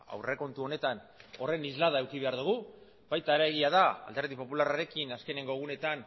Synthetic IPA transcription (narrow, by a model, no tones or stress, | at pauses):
a̰wre̞ko̞nt̪uo̞ne̞t̪ano̞re̞nizlað̞aewkiβ̞e̞aɾðuɣ̞u | bajt̪aɾaeɣ̞iað̞aa̰ld̪e̞ɾðipo̞pularaɾe̞kinaske̞ne̞ŋɡoɣ̞une̞t̪an